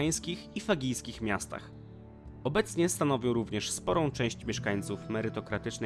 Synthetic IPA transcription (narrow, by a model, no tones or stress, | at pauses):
j̃skʲixifaɡʲijskʲixmʲjast̪a̰x | ɔbɛt̪sɲɛst̪anɔvʲɔ̃w̃ɾuvɲɛʂspɔɾɔ̃w̃t͡ʂɛ̃w̃ɕt͡ɕmʲjɛʂkaɲ̃t̪sufmɛɾɘt̪ɔkɾat̪ɘt͡ʂn